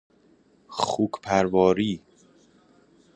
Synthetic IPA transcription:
xuːkʰpʰæɾvɒːɾiː

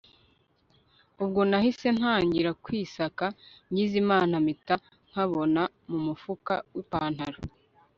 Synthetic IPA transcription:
ub̚ɡonahise̞n̥haːɲɟiɾakwiːsakaɲɟizimaːnamita | ŋ̥haβo̞na | mumufuka̰wipaːn̥haɾo

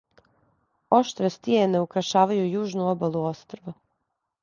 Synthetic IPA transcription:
o̞ʃt̪ɾest̪ieneukɾaʃaːʋajujuːʒnuobalˠuost̪ɾaʋa

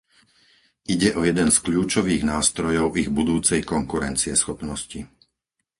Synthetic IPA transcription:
ʔiɟɛʔɔjɛd̪ɛnskʎuːt͡ʃɔʋiːɣnaːst̪ɾɔjɔʊiɣbud̪uːt͡sɛjkɔŋkuɾɛnt͡siɛsxɔpnɔsci

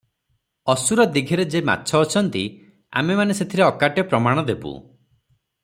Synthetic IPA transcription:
ɔsuɾɔd̪iɡʱiɾed͡ʒema̰tːt͡ʃʰɔːt͡ʃʰɔnt̪i | a̰memaneset̪ʰiɾeɔkaʈjɔpɾɔmaɽ̃ɔd̪ebṵ

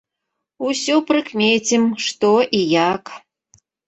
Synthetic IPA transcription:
usʲɔpɾɨkmʲet͡sʲimʂt̪ɔʔijak

